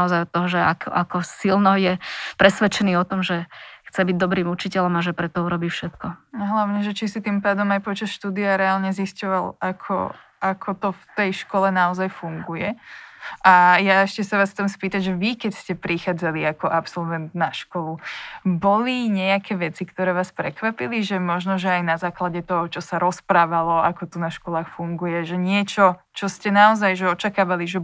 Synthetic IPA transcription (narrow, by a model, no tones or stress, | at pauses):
ɔzajɔt̪ːɔɦɔʒɛakʔakɔsilnɔjɛpɾɛsʋɛt͡ʃɛniːɔt̪ɔmʒɛxt͡sɛbiɟ̚d̪ɔbɾiːmut͡ʃicɛlɔmaʒɛpɾɛt̪ɔuɾɔbiːfʃɛt̪kɔɦlaʊɲɛʒɛt͡ʃisit̪impaːd̪ɔmajpɔt͡ʃasʃt̪uːd̪iaɾɛalɲɛziscɔʋalakʰɔ̰ʔakʰɔt̪ɔft̪ɛjʃkɔlɛnaɔzajfuŋɡujɛ | ʔajaɛʃcɛsaʋaːst͡s̪amspiːt̪aɟʒɛʋikɛcscɛpɾixaːd͡zaliakɔʔapsɔlʋɛnt̪naʃkɔlubɔliɲɛakʰɛːʋɛt͡sikt̪ɔɾɛːʋaːspɾɛkʋapiliʒɛmɔʒnɔʒɛajnazaːklaɟɛt̪ɔɦɔt͡ʃɔsaɾɔspɾaːʋalɔakɔt̪unaʃkɔlaːxfuŋɡujɛʒɛɲɪɛt͡ʃɔ | t͡ʃɔscɛnaɔzajʒɛɔt͡ʃakaːʋaliʒɛ